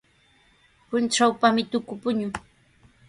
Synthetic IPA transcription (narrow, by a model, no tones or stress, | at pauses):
pʊnʈ͡ʂawpamɪt̪ʊkʊpʊɲʊ